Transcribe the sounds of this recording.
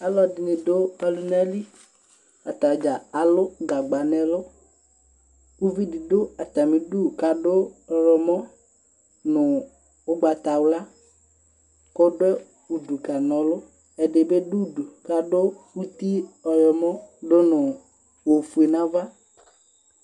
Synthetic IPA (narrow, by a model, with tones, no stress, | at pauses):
a˦lɔ˦di˨nĩ˨do˦a˨lu˦na˦li˦ | a˨t̪a˨d͡ʒa˨a˨lʊ˦ɡa˨ɡ͡ba˨nɛ̃˨lʊ˦ | wu˦vi˦di˨dʊ˦a˨t̪a˨mĩ˨ɖu˦˨ka˨ɖʊ˦ɔ˨ɾɔ˨mɔ̃˦ | nʊ̃˨ | ʊ˦ɡ͡ba˨t̪a˨wla˦ | ko˦ɖɛ˦ | u˨ɖu˨ka˨nɔ̃˨lʊ˦ | ɛ˨ɖe˨be˦du˦du˨ka˦ɖʊ˦wu˦t̪i˦ɔ˨ɾɔ˨mɔ̃˦ɖo˦nʊ̃˨ | wo˨fu˨e˨nã˦va˦